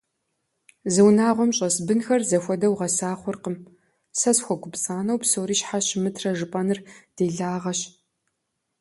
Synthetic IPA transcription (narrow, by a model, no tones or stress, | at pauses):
zɨwnaːʁʷɔmɕʼɐsbɨnxɐrzɐxʷɔdɐwʁɐsaːχʷʊrqəm | sɐsxʷɔɡʷʊpt͡sʼaːnɐwpsoːɾiːɕħaɕɪmɨtʰrɐʒɨpʼɐnɨrd̥eːɮaːʁɐɕ